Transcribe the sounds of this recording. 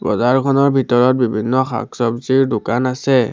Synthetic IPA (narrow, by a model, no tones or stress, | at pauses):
ɹɔ̰zaɹkʰɔnɔɹbʱitɔɹɔt̚bibʱinːɔxa̰ksɔbziɹdʊkanasɛ